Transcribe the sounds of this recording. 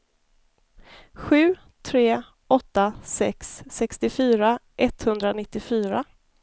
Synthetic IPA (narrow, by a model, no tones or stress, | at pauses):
ɧʉ̟ː | t̪ʰɾeː | ʔɔt̪ːasɛksːɛkst̪ɪfyːɾaʔɛt̪hɵnd̪ɾanɪt̪ːɪfyːɾa